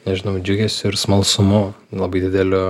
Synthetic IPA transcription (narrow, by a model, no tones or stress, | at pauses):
nʲɛʒʲɪnɐʊd͡ʒʲʊɡʲɛsʲʊɪɾsmɐlˠsʊmʊlˠɐbɐɪd̪ʲɪd̪ʲɛlʲʊ